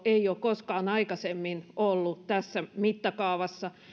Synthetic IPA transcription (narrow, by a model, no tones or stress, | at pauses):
eioːkkoskɑːnɑikɑsemːinolːut̪æsːæmit̪ːɑkɑuʋɑsːɑ